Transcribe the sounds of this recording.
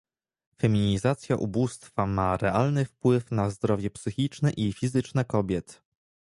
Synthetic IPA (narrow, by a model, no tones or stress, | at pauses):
fɛmʲiɲizat̪sʲjaʔṵbust̪famaɾɛalnɘfpwɘfnazd̪ɾɔvʲjɛpsɘxʲit͡ʂnɛʔifʲizɘt͡ʂnɛkɔbʲjɛt̪